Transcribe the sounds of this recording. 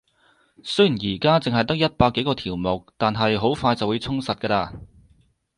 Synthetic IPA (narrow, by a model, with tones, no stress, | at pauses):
sɵ˥ɥji˨˩njiː˨˩kaː˥t͡sɪ˨ŋɦɐ˨jt̪ɐ˥k̚jɐ˥t̚paː˧kːe˨˥jkɔː˧t̪ʰiː˨˩wmʊ˨˩k̚t̪aː˨nɦɐ˨jɦo˨˥wfaː˧jt͡sɐ˨wuː˨˧jt͡sʰʊ˥ŋsɐ˨t̚kɐː˧laː˧